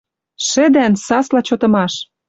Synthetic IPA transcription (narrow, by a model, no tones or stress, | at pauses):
ʃɘ̆d̪ænsɑslɑt͡ɕot̪ɤ̆mɑʃ